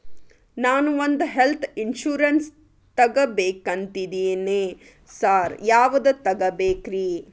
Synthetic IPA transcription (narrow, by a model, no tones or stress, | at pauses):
naːnuond̪uɦelt̪ʰinʃuːɾɐns | t̪ɐɡɐbeːkɐnt̪id̪eːneː | saːɾjaːʋud̪ut̪ɐɡɐbeːkɾiː